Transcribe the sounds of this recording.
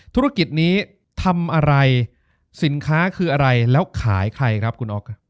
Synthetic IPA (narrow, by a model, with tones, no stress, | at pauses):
t̪ʰu˦˥ɾa˦˥ki˨˩t̪̚niː˦˥ | t̪ʰa˧mʔa˧ɾa˧j | si˩˦nkʰaː˦˥kʰɯː˧ʔa˧ɾa˧jlɛː˦˥wkʰaː˩˦jkʰɾa˧jkʰɾa˦˥p̚kʰu˧nʔɔː˦˥k̚ʰ